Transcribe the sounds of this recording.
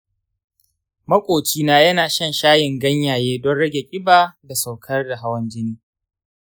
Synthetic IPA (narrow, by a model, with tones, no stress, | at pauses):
mɐ˦kʷʼoː˨t͡ʃiː˦naː˦jɐ˦naː˨ʃɐ˦nʃaː˦jɪ˨ŋɡɐ˦ɲjaː˨jeː˦dɔ˦nɽɐ˦ɡʲe˨kʲʼɪ˦baː˨da˨sa˨wkʰɐ˦rda˨ɦa˦wɐ˦nd͡ʒɪ˦niː˦